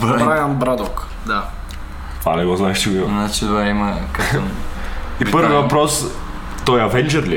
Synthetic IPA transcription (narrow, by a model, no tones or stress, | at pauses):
vɾajʲambɾad̪ɔk | d̪a | t̪vanɛɡɔznaɛʃt͡ʃiɡoinat͡ʃit̪vaimɐk | ipəɾvəvɐpɾɔs | t̪ɔjɐvɛnd͡ʒɛɾlʲi